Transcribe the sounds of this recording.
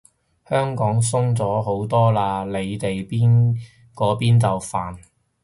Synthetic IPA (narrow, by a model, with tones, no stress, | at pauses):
hœː˥ŋkɔː˨˥ŋsʊ˥ŋt͡sɔː˨˥ɦo˨˥wt̪ɔː˥laː˧le˨˧jt̪e˨jpiː˥n | kɔː˨˥piː˥nt͡sɐ˨wfaː˨˩n